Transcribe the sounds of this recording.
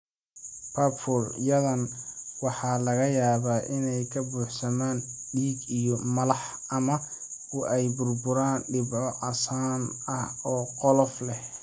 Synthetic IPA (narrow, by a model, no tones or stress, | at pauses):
pʰɐpfɔrjɐðɐnwɑħɑːlɐɣɐjaːβaːʔɪnɛjkʰɐbuːħsɐmaːnɖiːɡijɔmɐlɑħ | ʔɐmɐʊʔɛjbʊrbʊɾaːnɖɪbʕɔʕɑsaːnɐhɔːqɔlɔflɛ